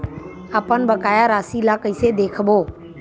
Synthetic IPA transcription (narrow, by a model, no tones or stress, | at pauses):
aːpənbəkaːjaːɾaːsiːlaːkiːseːd̪eːkʰboː